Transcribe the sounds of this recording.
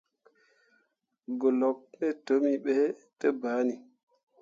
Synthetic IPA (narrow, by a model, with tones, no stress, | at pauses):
ɡo˨lo˨k̚ne˦to˦mi˨ɓe˦te˦ba˨˦ni˨